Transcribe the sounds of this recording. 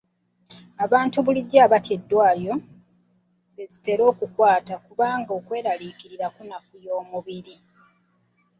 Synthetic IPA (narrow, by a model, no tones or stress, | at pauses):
aβaːntuβuliɟːaːβate̞dːwaːljo̞ | βe̞zite̞ɾo̞ːkukwaːtakuβaːŋɡo̞ːkwe̞ːɾalikiɾiɾakunafujo̞ːmuβiɾi